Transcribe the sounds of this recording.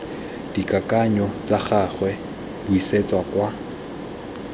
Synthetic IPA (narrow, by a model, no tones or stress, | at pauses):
d̥ikʼakʼaɲɔt͡sʼaχaχwɛ | bʊiset͡sʼwakwa